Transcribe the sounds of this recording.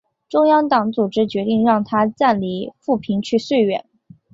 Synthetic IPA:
ʈ͡ʂʊ˥ŋjɑ˥ŋt̪ɑ˨˧˥ŋt͡su˨˩ʈ͡ʂɻ̩˥t͡ɕɥɛ˧˥t̪i˥˧ŋɻɑ˥˩ŋt̪ʰa˥t͡sa˥˩nli˧˥fu˥˩pʰi˧˥ŋt͡ɕʰy˥˧swe˥˩ɪɥɛ̰˨˩˦n

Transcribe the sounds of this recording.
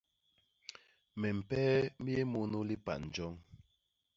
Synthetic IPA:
mɛ˨m̩˨pɛː˦mi˦e˦mu˦nu˦li˦pa̰˨n̩˨d͡ʒɔ˦ŋ

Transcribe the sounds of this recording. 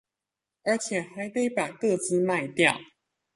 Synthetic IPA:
ə˞˨˧˥t͡ɕʰjɛ˨˩xa˧˦ɪt̪we˥˧ɪpa˨˩kɤ˥˨t͡sɹ̩˥˦ma˥˧ɪt̪jɑ˥˨˩ʊ

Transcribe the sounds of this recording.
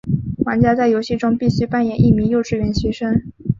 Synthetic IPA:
xwa˧˥nt͡ɕja˥t͡sa˥˩ɪjo˧˥ʊɕi˥˩ʈ͡ʂʊ˥ŋpi˥˩ɕy˥pa˥˧˩njɛ˨˩˦nʔi˥˩mi˧˥ŋjo˥˧ʊʈ͡ʂɻ̩˥˩ɥɛ˧˥nɕɥɛ˧˥ʂɤ˥ŋ

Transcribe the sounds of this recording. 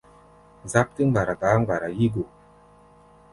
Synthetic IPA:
za˦p̚ti˦ŋ˦ɡ͡ba˨ɾa˨ba˨˦ŋ˦ɡ͡ba˨ɾa˨ji˦ɡu˨

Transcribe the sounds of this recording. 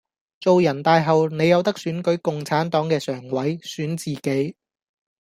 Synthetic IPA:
t͡so˨wjɐ˨˩nt̪aː˨˧jɦɐ˨wne˨˧jɐ˨˧wt̪ɐ˥k̚syː˨˥nkɵ˨˥ɥkʊ˨ŋt͡sʰaː˨˥nt̪ɔː˨˥ŋkɛː˧sœː˨˩ŋwɐ˨˥jsyː˨˥nt͡siː˨ke˨˥j

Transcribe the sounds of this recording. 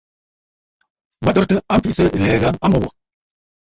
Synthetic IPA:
ba˦dɔ˦ɾtɨ˦a˦m̩˦fi˦˨sə˦˨lɛː˨ɣa˦a˦mə˨wɔ̰˨

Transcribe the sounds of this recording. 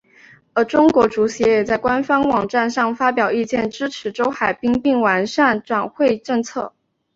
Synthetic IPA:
ə˞˧˥ʈ͡ʂʊ˥ŋkwɔ˧˥ʈ͡ʂu˧˥ɕɛ˧˥jɛ˨˩t͡sa˥˩ɪkwa˥nfɑ˥ŋwɑ˨˩ŋʈ͡ʂa˥˧nʂɑ˥˩ŋfa˥pjɑ˨˩ʊi˥˧t͡ɕjɛ˥˩nʈ͡ʂɻ̩˥ʈ͡ʂʰɻ̩˧˥ʈ͡ʂo˥ʊxa˨˩ɪpi˥ŋpi˥˩ŋwa˧˥nʂa˥˩nʈ͡ʂwa˨˩nxwe˥˧ɪʈ͡ʂɤ˥˧ŋt͡sʰɤ˥˩

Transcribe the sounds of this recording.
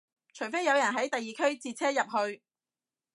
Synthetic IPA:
t͡ʃʰɵ˨˩ɥfe˥jɐ˨˧wjɐ˨˩nɦɐ˨˥jt̪ɐ˨jːiː˨kʰɵ˥ɥt͡siː˧t̚t͡sʰɛː˥jɐ˨p̚ɦɵ˧ɥ

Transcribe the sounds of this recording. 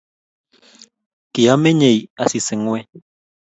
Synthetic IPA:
ki˨a˦me˦ɲe˨ja˦si˨sɪ˨˦ŋwɛ˦

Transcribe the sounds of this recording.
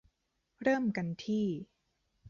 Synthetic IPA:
ɾɤː˥˩mka˧nt̪ʰiː˥˩

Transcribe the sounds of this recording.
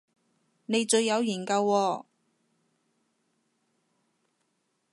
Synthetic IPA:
ne˨˧jt͡ʃɵ˧ɥjɐ˨˧wjiː˨˩nkɐ˧wːɔː˧

